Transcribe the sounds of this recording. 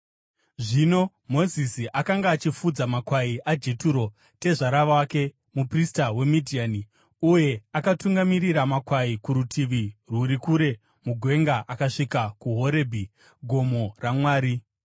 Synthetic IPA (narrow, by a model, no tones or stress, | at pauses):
ʐino̞ | mo̞zisiʔakaŋɡaːt͡ʃifud͡zamakwaiʔad͡ʒe̞tuɾo̞ | te̞ʐaɾaʋawake̞ | mupristawe̞midʱiani | uje̞akatuŋɡamiɾiɾamakwaikuɾutʰiʋiruɾikuɾe̞ | muɡʱwe̞ŋɡaʔakaʂikakuɦo̞ɾe̞bʱi | ɡʱo̞mo̞ramwaːɾi